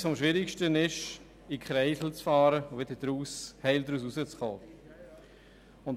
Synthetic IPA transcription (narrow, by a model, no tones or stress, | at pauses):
fɔmʃʋɪɾɪkʃtənɪʃ | ikχɾɛɪsl̩t͡sfɑːɾəʊʋɪdədɾuːshɛɪldɾuːs̬usət͡sχoː | ʊnt